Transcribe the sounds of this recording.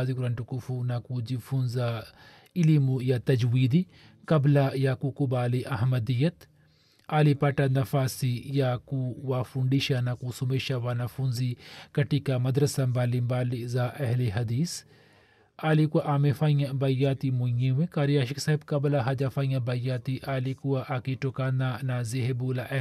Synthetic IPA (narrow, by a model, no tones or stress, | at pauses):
zikɡuɾɐɳʈukufunakud͡ʒifunza | ilimujat̪ɐd͡ʒwiːd̪i | kɐblajaːkukubaːliʔɐɦmɐd̪ijɐt̪ | aːlipaʈanɐfaːsijaːkuwaːfuɳɖiʃanakusumeːʃawaːnafunzikɐʈikamɐd̪ɾɐsambaːlimbaːlizaːʔɐɦleɦɐd̪iːs | aːlikuaʔaːmefãːjabɐjaːt̪imujẽwẽkaːɾijaːʃiksaːɦɪbkɐblaɦɐd͡ʒafaːĩjãbɐjaːt̪iʔaːlikuaʔakiʈokaːnanaːzeɦebuːlaʔɐ